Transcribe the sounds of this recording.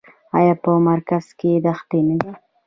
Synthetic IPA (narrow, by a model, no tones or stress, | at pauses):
ajɑpəmaɾkaz̥ked̪axt̪enəd̪i